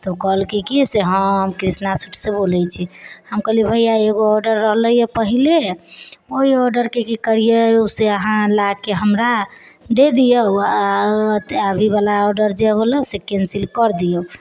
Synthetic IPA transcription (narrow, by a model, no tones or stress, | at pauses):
t̪ɔkəɦlkikiseɦəmkɾisnasuʈʰsebolɛjt͡ʃʰihəmkəɦlibʱəjjaeɡoɔɾɖəɾːəɦləjəpəɦile | oiɔɾɖəɾkekikəɾijəseəɦãlakeɦəmɾad̪ed̪ijəat̪eabʱiβalaɔɾɖəɾd͡ʒeɦoləsekensilkəɾd̪ijə